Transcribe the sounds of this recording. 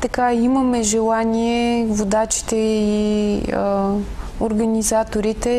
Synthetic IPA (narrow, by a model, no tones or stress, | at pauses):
t̪ɐkaimɐmɛʒɛlˠaniɛvod̪at͡ʃi̥t̪ɛi | oɾɡɐnizat̪oɾit̪ɛ